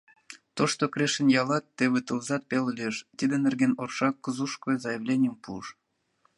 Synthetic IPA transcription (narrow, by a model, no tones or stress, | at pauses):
t̪oʃt̪okɾʲeʃənjɑlɑt̪ːeβɨt̪əlzɑt̪̚peləlʲeʃt̪id̪enerɡenorʃɑkːəzuʃkojzɑjəβlʲenʲijəmpuəʃ